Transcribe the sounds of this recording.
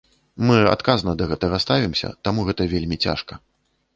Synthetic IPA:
mɨa̰t̪kaznɐd̪ɐɣɛt̪ɐɣɐst̪avʲimsʲɐ̰t̪amuɣɛt̪ɐvʲelʲmʲit͡sʲa̰ʂkɐ

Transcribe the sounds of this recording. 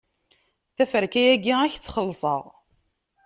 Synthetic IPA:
θæfəɾkæjæɡiæçt͡sːχəlːsˤə̰ʁ

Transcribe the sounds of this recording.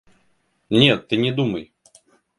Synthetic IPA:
nʲet̪ːɨnʲɪd̪uməj

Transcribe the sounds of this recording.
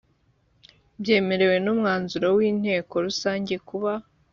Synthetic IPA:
bje̞ːme̞ɾe̞we̞numŋaːnzuɾowiːn̥he̞ːko̞ɾusaːɲɟe̞kuβa

